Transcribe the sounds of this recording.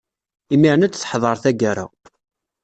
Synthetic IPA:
imiʕnæt͡sːθħðˤɑɾˤθæɡæɾa̰

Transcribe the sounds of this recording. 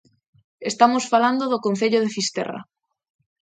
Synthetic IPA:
est̪amosfaland̪oðʊkon̟θeʎoð̞efist̪ɛ̰ra̰

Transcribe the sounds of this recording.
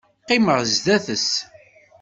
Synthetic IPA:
qːɪməʁzðæθəs

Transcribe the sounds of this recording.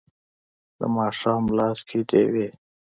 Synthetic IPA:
d̪ə̰maːʂaːmlaːskʰiʈḛːwe

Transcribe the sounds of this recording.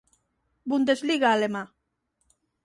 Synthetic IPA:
bund̪ezliɣaːlema

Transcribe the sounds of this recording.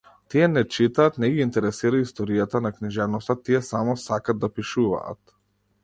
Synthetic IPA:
t̪ijɛnɛt͡ʃit̪aːt̪nɛɡiːnt̪ɛɾɛsiɾaist̪ɔɾijat̪anakniʒɛvnɔst̪at̪ijɛsamɔsakad̪d̪apiʃuva̰ːt̪

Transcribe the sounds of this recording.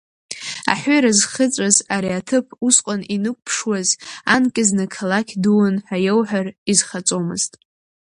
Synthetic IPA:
a̰ħʷʊɾazχət͡sʷʼazaɾiatʰɨpʰusqʷʼaninɨkʷpʰʂwazankʲʼɪznakʰalakʲʰduwʊnħʷajewħʷarizχat͡sʼomɨ̰z̥tʼ

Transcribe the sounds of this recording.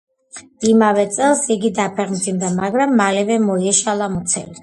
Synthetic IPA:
imavɛt̪sʼɛlˠsiɡid̪apʰɛʁmd̪zimd̪amaɡɾamːalɛvɛmɔiɛʃalˠamut̪sʰɛ̰li

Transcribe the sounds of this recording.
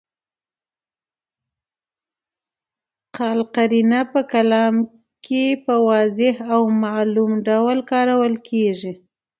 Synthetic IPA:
qɑlqaɾinapəkalɑm | kʰepəwɑzɪhawmalumɖawəlkɑɾawəlkʰeʐi

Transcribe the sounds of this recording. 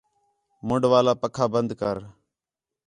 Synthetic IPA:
mʊɳɖʋaːlaːpəkʰaːbənd̪kəɾ

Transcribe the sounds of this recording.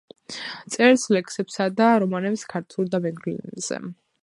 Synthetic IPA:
t̪sʼɛɾslɛkʰsɛpsad̪aɾɔmanɛpskʰaɾt̪ʰulˠd̪amɛɡɾḭz̥ɛ̰

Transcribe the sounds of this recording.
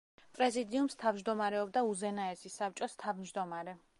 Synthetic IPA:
pʼɾɛzid̪iumst̪ʰavd͡ʒd̪ɔmaɾɛɔbd̪auzɛnaɛsisap̚t͡ʃʼɔst̪ʰavmd͡ʒd̪ɔmaɾɛ

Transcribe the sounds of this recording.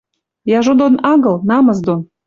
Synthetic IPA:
jɑʒod̪onɑɣɤlˠnɑmɤzd̪on

